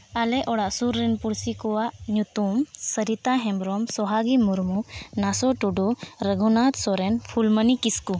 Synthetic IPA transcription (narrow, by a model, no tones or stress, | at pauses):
alɛʔɔɽaʔsuɾːinpuɽsikɔwaʔnjut̪umsəɾit̪aɦɛ̃mbɾɔmsɔɦaɡimuɾmunasɔʈuɖuɾəɡʱunat̪sɔɾɛnpʰulmənikisku